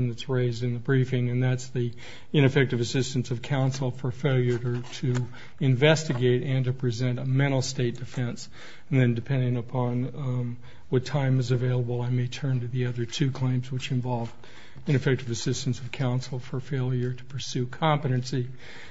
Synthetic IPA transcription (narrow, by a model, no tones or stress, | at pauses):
nðɨtsɹeɪzdɨ̃nðɨbɹifɪ̃ŋɨ̃nðætsði | ɪ̃ɾ̃ɨfɛk̚tɨvɨsɪstɨ̃n̩sʌv̥kʰãʊ̃nsl̩ˠfə˞feɪlˠjə˞ɾə˞ɾɨ | ɨ̃ɱvɛstɨɡeɪɾɨ̃ntɨpʰɹ̥izɛ̃ntɨmɛ̃ɾ̃l̩ˠsteɪt̚d̥ɨfɛ̃ns | n̩ðɨ̃ndɨpʰɛ̃ndɪ̃ŋəpʰɑ̃n | wʌtʰãɪ̃mɨzɨveɪlˠəbl̩ˠaɪmeɪtʰɜ̃˞ntɨðiʌðə˞tʰʉkʰl̥ẽɪ̃mzwɨt͡ʃɨ̃ɱvɑlˠvd | ɨ̃nɨfɛk̚tɨvɨsɪstn̩sʌv̥kʰãʊ̃nsl̩ˠfə˞feɪlˠjə˞ɾə̥pʰə˞sʉkʰɑ̃mpɨɾɨ̃nsi